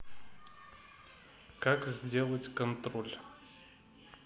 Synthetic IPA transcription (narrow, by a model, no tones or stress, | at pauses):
kakzʲdʲe̞lˠətʲkɐnt̪ɾolʲ